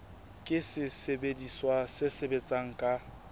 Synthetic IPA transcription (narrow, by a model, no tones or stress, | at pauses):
kʼɪsɪsebediswasɪsebet͡sʼaŋ̩kʼa